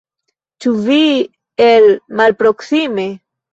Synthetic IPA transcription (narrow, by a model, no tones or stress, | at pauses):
t͡ʃuvi | elmalpɾoksime